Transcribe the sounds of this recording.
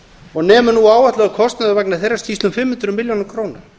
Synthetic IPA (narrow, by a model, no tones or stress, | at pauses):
ɔɣnɛːmʏnuaːwaht̪laɣakʰɔst̪naðavɛknaθejrːast̪ʰiːst̪ʏmfɪmːhʏnt̪ɾʏmːɪljownɾkʰɾoːwnaɾ̥